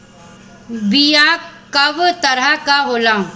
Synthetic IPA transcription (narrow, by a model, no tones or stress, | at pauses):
bijakɐʋt̪ɐɾakaɦoːlãː